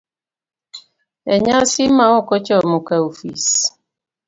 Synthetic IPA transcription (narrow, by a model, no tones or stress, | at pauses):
eɲasimawɔkɔt͡ʃɔmʊkaofḭs